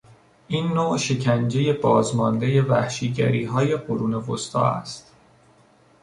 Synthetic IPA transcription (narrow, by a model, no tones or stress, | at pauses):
ʔiːnːoːʃe̞cʰænd͡ʒe̞je̞bɒːzmɒnd̪e̞je̞væhʃiːɟæ̰ɾiːɦɒːje̞ɢoɾuːne̞vost̪ʰɒ̰ːæ̰st̪